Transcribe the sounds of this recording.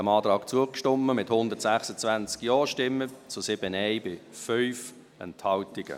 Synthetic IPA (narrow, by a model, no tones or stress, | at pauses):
əmɑːtɾɑːkt͡suəkʃtɔmːəmɪthʊnd̪ətsæχsət͡svænt͡skjɔːʃtɪmːət͡sʊsɪb̥ənɛɪbɪfœʏf | ɛ̰nthɑltɪɡ̥ə̰